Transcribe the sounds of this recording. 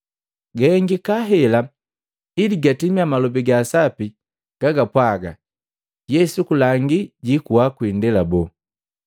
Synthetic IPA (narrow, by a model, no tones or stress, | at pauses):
ɡɛɛŋɡikaɦɛla | iliɡatimiamalɔbiɡaːsapi | ɡ̥aɡapwaɡa̰ | jɛsukulaŋɡiɟikuwakwindɛlabɔ